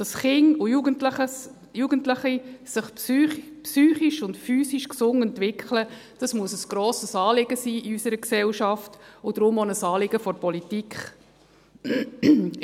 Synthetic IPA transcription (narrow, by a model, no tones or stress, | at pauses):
d̥ɑsχɪŋʊjuɡəntləχəs | juːɡ̥əntləχisɪχpypsyːχiʃʊndfyːsiʃksʊŋɛntvɪkχləd̥ɑsmuəsəsɡ̥ɾoːsəsɑːlɪɡəsiːiysəɾəksɛlʃɑftʊd̥ɾʊmonəsɑːlɪɡəfɔɾpɔlitikχ